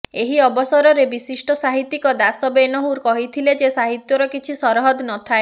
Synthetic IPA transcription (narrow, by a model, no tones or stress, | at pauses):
eɦiɔbɔsɔɾɔɾebisisʈɔsaɦit̪ːikɔd̪asɔbenɔɦuɾkɔɦit̪ʰiled͡ʒesaɦit̪jɔɾɔkit͡ʃʰisɔɾɔɦɔd̪nɔt̪ʰae